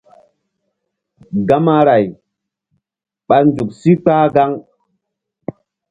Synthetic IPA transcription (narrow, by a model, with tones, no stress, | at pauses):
ɡa˦ma˦ɾa˨j | ɓa˨ɾnd͡ʒu˨k̚si˦k͡paː˦ɡa˦ŋ